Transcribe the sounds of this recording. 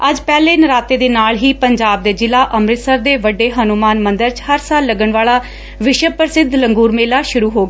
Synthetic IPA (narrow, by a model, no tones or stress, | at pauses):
əd͡ʒpɛːleːnəɾaːt̪eːd̪eːnaːlɦiːpəɲd͡ʒaːb̚d̪eːd͡ʒɪlaːʔəmɾɪt̪səɾd̪eːʋəɖeːɦənumaːnmə̃nd̪əɾt͡ʃhəɾsaːlːəɡəɳʋaːɭaː | ʋɪʃəpɾəsɪd̪ʱləŋɡuːɾmeːlaːʃʊɾuːɦoːɡaaː